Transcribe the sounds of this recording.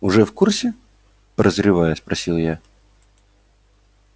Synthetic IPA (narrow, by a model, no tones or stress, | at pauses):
ʊʐɛfkursʲɪ | pɾəzɾʲɪvajəspɾʔɐsʲilˠja